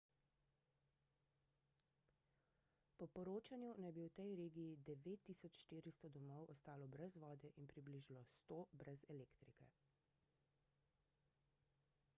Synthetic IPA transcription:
pɔpɔɾoːt͡ʃanjunajbiwt̪ɛjɾeːɡiid̪ɛʋeːt̪ːisɔt͡ʃʃt̪iːɾist̪ɔd̪ɔmɔwʔɔst̪aːlɔbɾɛzʋɔːd̪ɛʔinpɾibliːʒlɔst̪oːbɾɛzɛleːkt̪ɾikɛ̰

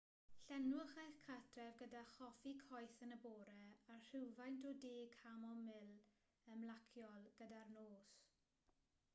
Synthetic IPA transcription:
ɬɛnwʊχajθkʰatʰrɛvɡədaχɔfikʰɔjθənəboːɾɛar̥ɪwvajntʰɔdeːkʰamɔmɪl | əmlakʰjɔlˠɡ̥ədarnoːs

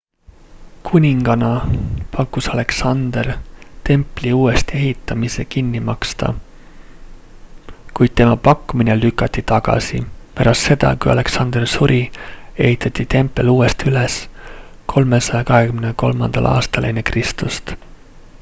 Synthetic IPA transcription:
kʰunʲiŋɡ̥ɑnɑpʰɑkːˑusɑle̞ksɑnd̪̥ert̪e̞mpˑliuːe̞st̪e̞ɦit̪ːˑɑmise̞kinːimɑkst̪ɑ̰ | kujd̪̥̚t̪e̞mɑpɑkˑːumine̞lykːˑɑt̪ʲːit̪ɑɡ̥ɑ̰sḭpæɾɑst̪se̞d̪̥ɑ̰kujɑ̰le̞ksɑnd̪̥ersuɾʔie̞̰ɦit̪ʰːˑɑt̪ːˑit̪e̞mpˑːe̞luːe̞st̪yleskʰo̞lme̞sɑjɑkɑɦe̞kymneko̞lmɑ̰nd̪̥ɑ̰lʔɑ̰ːst̪ɑlʔenekrist̪ust̪

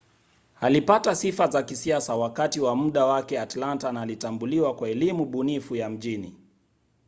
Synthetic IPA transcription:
halipatasifazakisiasawakatiwamuɗawakɛatlantanalitambuliwakwaɛlimuɓunifujam̩ʄini

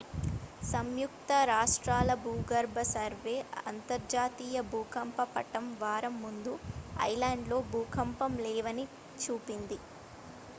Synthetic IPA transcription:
sɐmjuk̚t̪ɐɾaːʂʈɾaːlɐbʱuːɡɐɾbʱɐsɐɾʋe̞ːɐnt̪ɐɾd͡ʒaːt̪iːjɐbʱuːkɐmpɐpɐʈɐmʋaːɾɐmːund̪uɐ̰jlaːɳɖlo̞ːbʱuːkʰɐmpɐmlɛːʋɐni | t͡ʃuːpind̪i

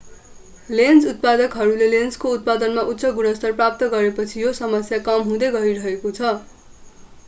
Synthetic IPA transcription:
lend͡zut̪̚pad̪ʌkɦʌɾulelend͡zkout̪̚pad̪ʌnmaʔut̪ːsʌɡunʌst̪ʌrprap̚t̪ʌɡʌɾepʌt͡sʰijosʌmʌsjakʌmɦũd̪ʌɡʌiɾʌɦekot͡sʰʌ

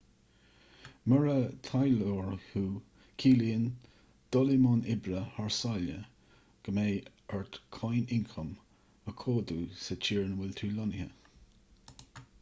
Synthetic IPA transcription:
məɹət̪ʰajloːɹhuː | kʰiːliːən | d̪̥ɔlimɔnɪbɾəhaɹsaljə | ɡ̥əmeː | əɹt̪kʰajnɪŋkʰɔm | əkʰoːd̪uːsət͡ʃʰiːɹnwɪlt̪ʰɹiːlɔnhə̰

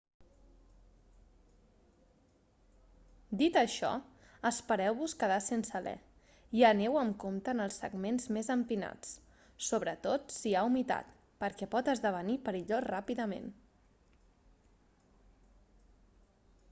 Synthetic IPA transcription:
d̪it̪əʃɔ̰ | əspəɾɛwβuskəðasensəlɛ̰ | iənewəmkomt̪ənəlˠsːə̰ɡmenzmezəmpina̰t͡s | soβ̞ɾət̪ot̪siaumit̪a̰t̪ | pəɾkɛpɔt̪əzðəβ̞ənipəɾiʎorapiðəmḛn

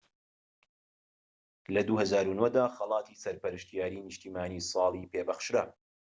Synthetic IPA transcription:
lɐd̪uhɐzaːɾunod̪aːxɐlˠɑːt̪ʰisɐɾpɐɾɨʃt̪ijaːɾinɨʃt̪iːmaːniːsˤɑːlˠiːpeːbɐxʃɾɐ

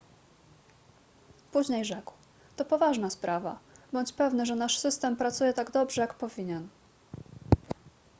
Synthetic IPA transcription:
puʑɲejʐɛkw | t̪ɔpɔvaʐnaspɾʔava̰bɔɲt͡ɕpɛvnɘʐɛnaʂsɘst̪ɛmpɾat̪sujɛt̪aɡd̪ɔbʐɛjakpɔvʲiɲɛn

